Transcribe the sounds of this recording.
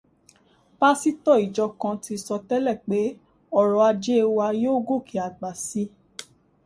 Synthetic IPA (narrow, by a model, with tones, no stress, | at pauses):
ba˦si˦tɔ˦˨i˨d͡ʒɔ˧kã˧ti˧sɔ˧tɛ˦lɛ˦˨k͡pe˨˦ | ɔ˦˨ɾɔ˨a˧d͡ʒe˦˧wa˧joː˦ɡo˦˨kʰi˨a˨ɡ͡ba˨si˧˦